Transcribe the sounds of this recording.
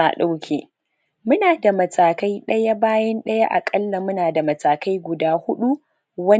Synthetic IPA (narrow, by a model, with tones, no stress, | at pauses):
a˨ɗa˦wkʲʰeː˨ | mʊ˦naː˨da˨mɐ˨taː˨ka˦jɗɐ˦ja˦baː˦jɐ˦nɗɐ˦ja˦ʔa̰˨kʼɐ˦lːa˨mʊ˦naː˨da˨mɐ˨taː˨ka˦jɡʷʊ˨daː˦hʊ˦ɗu˦ | wɐ˦